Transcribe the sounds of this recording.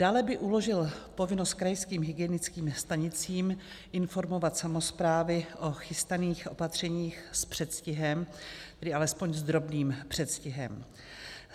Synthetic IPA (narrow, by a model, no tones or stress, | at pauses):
d̥aːlɛbɪʔulo̞ʒɪlpo̞vɪnost̪̚kɾajskiːmɦɪɡɪɛnɪt͡skiːmst̪aɲɪt͡siːm | ʔɪnfo̞ɾmo̞vat̪samo̞spɾaːvɪʔo̞xɪst̪aniːxʔo̞pat̪r̝̥ɛɲiːxspr̥ɛt̪scɪɦɛmt̪ɛdɪʔalɛspo̞ɲzd̪ɾo̞bniːmpr̝̥ɛt̪scɪɦɛ̰m